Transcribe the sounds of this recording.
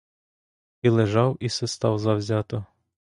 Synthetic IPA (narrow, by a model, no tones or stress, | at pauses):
ilˠeʒɑwisɛst̪ɑwzɐwzʲɑt̪ɔ